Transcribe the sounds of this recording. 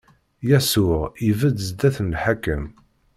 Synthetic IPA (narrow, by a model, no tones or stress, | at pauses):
jæsʊʁivæd̪zd̪æθənħakəm